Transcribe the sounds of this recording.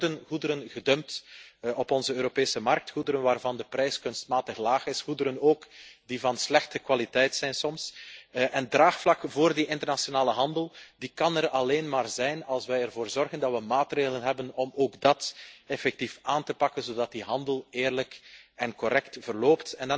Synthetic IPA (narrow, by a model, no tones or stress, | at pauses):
dənɣudəɾənɣədømtɔpɔnzəøːɾopeːsəmɑrk̚txudəɾənʋaːrvɑndəprɛjskɵnstmaːtəxlaːxɪsxudəɾənoːkdivɑnslɛxtəkwalitɛjtsɛjnsɔmsʔɛndraːxflɑkvoːrdiʔɪntərnasjonaːləɦɑndəlˠdikɑnərɑleːnmaːrzɛjnɑlˠsʋɛjərvoːrzɔrɣəndɑtʋəmaːtreːɣələnɦɛbənɔmoːɡdɑtɛfɛk̚tifaːntəpɑkənzoːdɑt̚diɦɑndəlˠeːrləkɛnkɔɾɛktv̥ərloːptɛnd